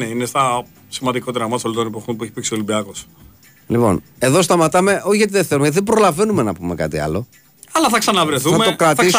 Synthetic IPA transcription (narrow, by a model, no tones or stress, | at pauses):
neinest̪ɐ | simɐnd̪iko̞t̪eɾɐmɐsolot̪onepoxonpueçi̥piksio̞limbiɐkos | lipo̞̰n | e̞ðo̞s̬t̪ɐmɐt̪ɐme̞ʔoçiʝɣɐt̪iðeθelumeʝɐt̪iðebɾo̞lɐvenume̞nɐpumekɐ̰t̪iɐ̰lo̞ | ɐlɐθɐksɐnɐvɾeθuɐmet̪okɾɐt̪θis